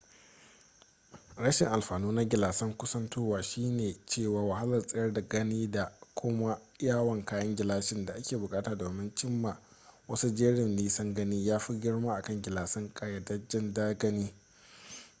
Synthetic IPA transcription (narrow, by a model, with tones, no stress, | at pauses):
ɽɐ˦ʃɪ˨ŋʔa˨lɸaː˨nuː˦na˦ɡʲɪ˨laː˨sɐ˦ŋkʷʊ˦sɐ˦ntuː˦waː˨ʃiː˦neː˨t͡ʃeː˦˨waː˨wa˨ha˦lɐ˨rsʼɐ˦jɐ˦rda˨ɡɐ˦niː˦da˨kʷʰʊ˦ma˦ | jaː˦˨wɐ˨ŋkaː˦jɐ˦ŋɡʲɪ˨laː˦ʃɪ˦nda˨ʔa˦kʲʰeː˨bʊ˨kʼaː˦taː˨doː˨mɪ˦nt͡ʃɪ˦mːa˨wɐ˦su˦d͡ʒeː˦ɽɪ˨mliː˦sɐ˦ŋɡɐ˦niː˦jaː˦ɸi˦ɡʲɪ˦ɽmaː˦ʔa˨kɐ˦˨ŋɡʲɪ˨laː˨sɐ˦ŋkʼa˨˦jɐ˦dɐ˦d͡ʒɪ˦ndaː˦ɡɐ˦niː˦